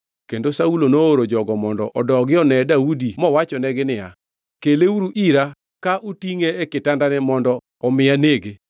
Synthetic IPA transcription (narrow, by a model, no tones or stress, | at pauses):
kendosaulonooɾod͡ʒɔɡɔmɔndɔʔɔdɔɡɪɔnɛdaudimɔwat͡ʃɔnɛɡɪnɪja | keleuɾuʔiɾa | kaʔutiŋeːkɪtandanɛmɔndɔ | ɔmɪjaneɡe